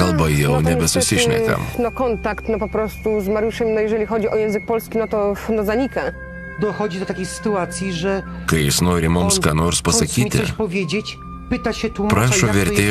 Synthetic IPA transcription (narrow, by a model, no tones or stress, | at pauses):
ɐlˠbɐjɛʊnʲɛbʲɛsʊsʲɪʃʲnʲɛ̰kɐ̰mnɔkɔnt̪akt̪nɔpɔpɾɔst̪uzmaɾjuʂɛmnɔjɛʒɛlʲixɔd͡ʑiʔɔjɛ̃w̃zɘɨk̚pɔlskʲinɔt̪ɔfnɔzaɲika | d̪ɔxɔd͡ʑid̪ɔt̪akʲejsɘ̥t̪uat̪sʲjiʐɛ | kɐɪjɪsnoːɾʲɪmʊmsskaːnoːɾspɐsɐkʲiːt̪ʲɪ̰pɔvʲjed͡ʑet͡ɕ | pɘt̪aɕɛt̪umpɾaːʃoːʋʲɛɾʲt̪ʲeː